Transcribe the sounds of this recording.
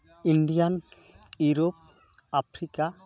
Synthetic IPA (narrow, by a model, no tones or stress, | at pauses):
iɳɖijan | juɾop̚ | apʰɾika